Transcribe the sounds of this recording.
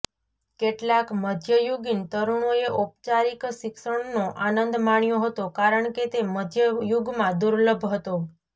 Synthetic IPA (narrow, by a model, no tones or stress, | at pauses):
keʈlakməd̪ʱjəjuɡint̪əɾuɳ̃oeʔup̚t͡ʃaɾikʃɪkʃəɳnõʔanənd̪maɳ̃joɦət̪okaɾəɳket̪eməd̪ʱjəjuɡmãd̪uɾləbʱɦət̪o